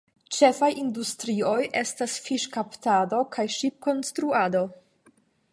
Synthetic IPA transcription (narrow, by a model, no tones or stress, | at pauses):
t͡ʃe̞fajindustɾio̞jʔe̞stasfiʃkaptado̞kʰajʃip̚ko̞nstɾuado̞